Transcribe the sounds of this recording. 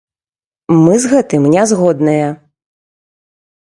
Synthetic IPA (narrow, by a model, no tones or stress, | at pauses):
mɨzɣɛt̪ɨmnʲɛzɣɔd̪nɐjɐ